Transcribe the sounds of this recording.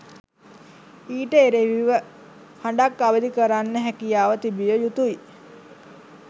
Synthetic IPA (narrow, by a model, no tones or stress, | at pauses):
iːʈəeɾeʋiʋə | haɳɖakːaʋəd̪ikəɾanːəɦækijaːʋət̪ibijəjut̪uji